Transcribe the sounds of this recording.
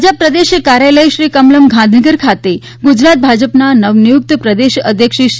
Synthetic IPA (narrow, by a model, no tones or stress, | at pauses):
d͡ʒəpːɾəd̪eʃkaɾjaləjʃɾikəmləmɡʱãnd̪ʱəɡəɾkʰat̪e | ɡud͡ʒɾat̪̚bʱad͡ʒəpnanəʋnijuk̚t̪pɾəd̪eʃə̰d̪ʱjəkʃi